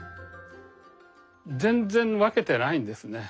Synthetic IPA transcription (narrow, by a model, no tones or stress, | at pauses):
d͡zẽ̞nd͡zẽ̞ɴ̃βake̞t̪e̞naĩnd̪e̞sɨne̞